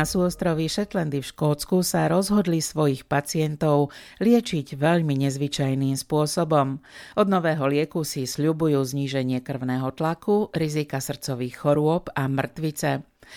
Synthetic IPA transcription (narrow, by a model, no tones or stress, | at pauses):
asuːɔst̪ɾɔʋiʃɛt̪lɛnd̪ifʃkɔːt͡skusaɾɔzɦɔd̪lisʋɔjixpat͡sɪɛnt̪ɔʊ | lɪɛt͡ʃiɟʋɛʎmiɲɛzʋit͡ʃajniːmspʊɔsɔbɔmʔɔd̪nɔʋɛːɦɔlɪɛkusisʎubujuːzɲiːʒɛɲɪɛkr̩ʊnɛːɦɔt̪lakuɾizikasr̩t͡sɔʋiːxːɔɾʊɔpamr̩t̪ʋit͡sɛ